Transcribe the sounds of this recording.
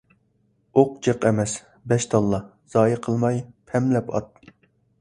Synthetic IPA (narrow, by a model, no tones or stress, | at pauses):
oq̚d͡ʒeqɛmɛs | bɛʃt̪ʰɑlˠːɑ | z̥ɑːjɪqʰəlˠmɑjpʰɛmlɛpʰɑ̰t̪̚